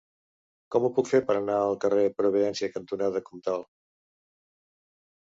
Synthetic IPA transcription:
kɔmupukfeɾpəɾənaəlˠkərepɾuβ̞iðɛnsiəkənt̪unaðəkɔmt̪alˠ

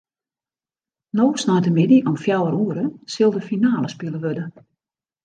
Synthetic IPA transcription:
noːsnajtəmɪdiʔɔmfjawəɾuəɾəsɪlˠdəfinaːləspilˠəʋødə

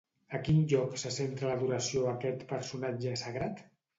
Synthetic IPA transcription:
əkinʎɔksəsent̪ɾələðuɾəsioakɛt̪pəɾsunad͡ʒəsəɣɾat̪

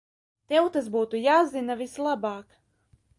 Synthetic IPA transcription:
t̪ɛwt̪as̬buːt̪ujaːzinavislˠabaːk

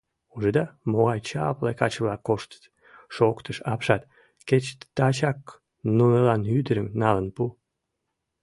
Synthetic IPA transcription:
uʒəd̪ɑmoɣɑjt͡ɕɑplekɑt͡ɕəβlɑkːoʃt̪ə̥t̪ | ʃokt̪ʰəʃɑpʃɑt̪ | ket͡ɕt̪t̪ɑt͡ɕɑk | nunelɑnyd̪əɾəmnɑlənpu

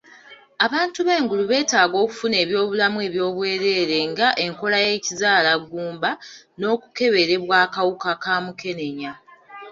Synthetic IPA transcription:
aβaːntuβe̞ːŋɡuluβe̞ːtaːɡo̞ːku̥fune̞ːβjo̞ːβulamue̞ːβjo̞ːβwe̞ːɾe̞ːɾe̞ŋɡaʔe̞ŋko̞laje̞ːcizaːlaɡuːmba | no̞ːku̥ke̞βe̞ɾe̞βwaːkawukakaːmuke̞ne̞ɲa

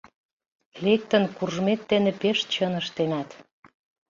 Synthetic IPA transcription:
lek̚t̪ə̆nkurʒmet̪ːenĕpeʃt̪t͡ɕɤnəʃt̪enæt̪

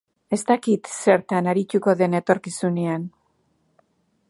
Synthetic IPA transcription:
e̞st̪akit̪se̞ɾt̪anaɾit̪uko̞ðe̞ne̞t̪o̞ɾkisunean

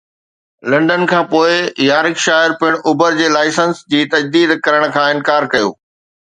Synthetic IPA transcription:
lɐ̃ɳɖənkʰãːpoːɪjaːɾɪkʃaːɪɾpɪɽ̃ʔʊbəɾd͡ʑeːlaːɪsənsd͡ʑiːt̪ɐd͡ʑd̪iːd̪kɐɾəɽ̃̆kʰãːɪ̃nkaːɾkɐjo̰ː

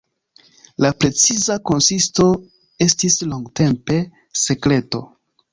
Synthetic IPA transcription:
lapɾe̞t͡sizako̞nsisto̞ | e̞stisloŋɡte̞mpe̞ | se̞kɾe̞to̞̰

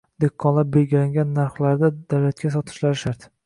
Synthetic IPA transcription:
d̪ekʰːɒnlap̚belɡʲɪlaŋɡʲanːaɾχlaɾd̪ad̪awlat̪̚kʲas̬ɒt̪ʰɪ̥ʃlaɾʃaɾt̪

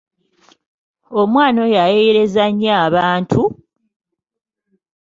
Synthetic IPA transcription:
omwaːno̞jajeeɾe̞zaɲːaːβaːntʰu

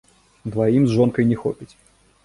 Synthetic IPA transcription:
d̪vajimzʐɔnkɐjnʲɛxɔ̰pʲit͡sʲ

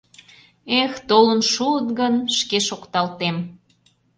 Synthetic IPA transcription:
ext̪olənʃuət̪ɡənʃkeʃokt̪ɑlt̪em

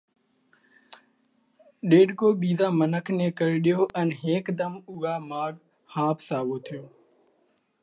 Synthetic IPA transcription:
ɗeːɖkoːɓiːzaːmənəkʰnẽːkəɾɗɪjoːʔənɦeːkd̪əmʊɡaːmaːɡ | haːpʰsaːʋoːt̪ʰɪjoː

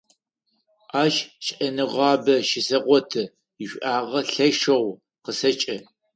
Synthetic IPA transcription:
aːʒʃʔɐnɨʁɑːbɐʃɪsɐʁʷɔtʰɐ | ɪɕʷʔaːʁɐɬɐʃɐʁʷ | qəsɐt͡ʃʼɐ

